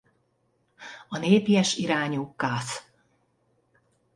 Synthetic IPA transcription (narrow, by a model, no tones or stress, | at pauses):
ɒneːpijɛʃiɾaːɲuːkːaːs